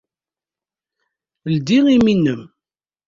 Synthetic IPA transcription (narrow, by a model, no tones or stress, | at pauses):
ld̪iŋiminːəm